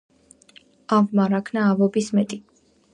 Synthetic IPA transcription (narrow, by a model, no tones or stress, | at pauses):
avmaɾakʰnaːvɔbismɛt̪ʼi